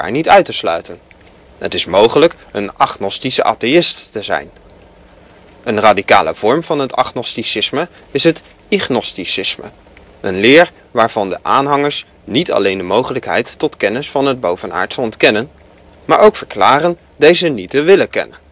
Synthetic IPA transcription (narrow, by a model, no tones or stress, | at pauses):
a̰ːɹnitœɥtəslœ̰ɥtən | ɦə̰tɪsmowχələk | ənɑχnɔstisəʔa̰ːtejɪstːəzɛ̰jn | ənraːdikaːlə̰v̥ɔɹmvɑnɦətɑ̰χnɔstisɪsmə | ɪsɦət | iχnɔstisɪsmə̰ | ənlɪːɹ | ʋaːɹv̥ɑndəʔaːnɦɑŋəɹs | nitɑ̰lejndəmowχələkɦɛ̰jtːɔtkɛnɪsfɑnəd̚bowvəna̰ːɹtsəɔntkɛnən | maːɹowkfəɹklaːrən | dejzənitəʋɪləkɛ̰nən